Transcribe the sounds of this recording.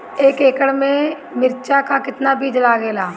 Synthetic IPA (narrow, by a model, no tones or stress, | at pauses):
eːkeːkəɽmẽ | mɪɾt͡ʃakakɪt̪nabiːd͡ʒlaːɡeːlaː